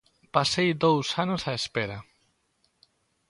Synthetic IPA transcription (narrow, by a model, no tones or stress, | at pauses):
pasejðowsanosaespeɾa